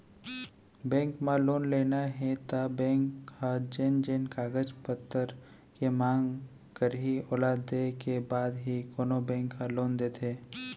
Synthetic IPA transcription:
bɛ̃ːŋkmãloːnleːnaɦɛt̪abɛ̃ːŋkhad͡ʒend͡ʒeːnkaːɡəd͡ʒpət̪ːəɾ | kemãːŋɡ | kəɾɦiɔːlaːd̪ːekebaːd̪ɦikoːnobɛ̃ːŋkːãloːnd̪eːt̪ʰeː

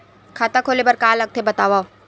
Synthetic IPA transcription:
kʰaːt̪akʰoːlebɐɾkaːlɐɡ̚t̪ʰebɐt̪aːʋa

